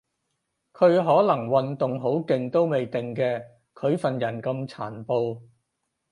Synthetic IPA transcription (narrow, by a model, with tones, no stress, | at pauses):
kʰɵ˨˧ɥɦɔː˨˥lɐ˨˩ŋwɐ˨nt̪ʊ˨ŋɦo˨˥wkɪ˨˧ŋt̪o˥wme˨jt̪ɪ˨ŋkɛː˧ | kʰɵ˨˧ɥfɐ˨njɐ˨˩nkɐ˧mt͡sʰaː˨˩npo˧w